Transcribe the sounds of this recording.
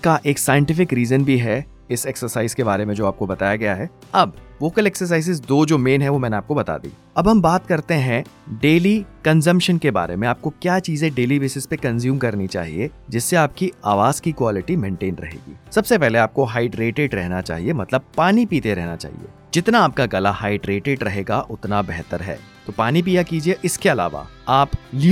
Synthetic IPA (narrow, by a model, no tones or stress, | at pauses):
kaʔeːksaːjə̃ɳʈɪfɪkɾiːzənbʱiɦɛ | ɪseksəɾsaːɪzkebaːɾemẽd͡ʒoːaːp̚kobɐt̪aːjaɡɐjaɦɛːɐbʋoːkəleːksəɾs̬aːɪzɪzd̪oːd͡ʒoːmeːnɦɛ̃ʋomɛ̃ːneaːp̚kobɐt̪a̰ːd̪ḭː | ɐbɦɐmbaːt̪̚kɐɾt̪eɦɛ̃ɖeːlikɐ̃nzə̃mpʃənkeba̰ːɾḛmẽaːp̚kokjaːt͡ʃiːzẽɖeːliʋɪsɪzpekɐ̃nzjuːmkɐɾnit͡ʃa̰ːɦḭed͡ʒɪsːeaːp̚kiaːʋaːzkikwaːlɪʈimẽːɳʈeːnɾɐ̰ɦḛːɡḭːsɐbsepɛɦleaːp̚koɦaːɪɖɾeːʈeɖɾɛɦnat͡ʃa̰ːɦiemɐt̪ləb̚paːnipiːt̪eɾɛɦna̰t͡ʃa̰ːɦḭḛː | d͡ʒɪt̪naaːpkaɡɐlahaːɪɖɾeːʈeːɖɾɐɦeːɡaʔʊt̪nabɛɦt̪əɾɦɛ̰ː | t̪opaːnip̬iːjakiːd͡ʒieʔɪskeɐla̰ːʋa̰aːpl